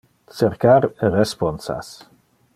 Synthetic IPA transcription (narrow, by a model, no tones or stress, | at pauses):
seɾkaɾerespɔnsa̰s